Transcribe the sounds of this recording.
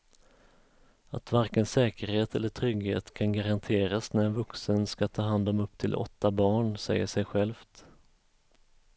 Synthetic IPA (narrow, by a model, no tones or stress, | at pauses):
a̰t̪vaɾkənsɛːkəɾheːt̪ɛlːəʈʰɾʏɡhḛːt̪kʰanɡaɾant̪ʰeːɾasnæɾɛnvɵksənskat̪ʰɑːɦand̪ɔmɵp̚ːt̪ʰɪlʔɔ̰t̪ːabɑːɳsɛ̰jːə̰ʂɛjɧɛlft̪